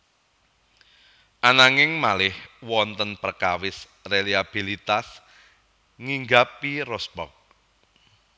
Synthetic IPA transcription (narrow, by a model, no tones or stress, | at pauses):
ʔanaŋɪŋmalɪhwɔnt̪ənpərkawɪs | reliab̥ilit̪as | ŋiŋɡapirɔspɔ̰k̚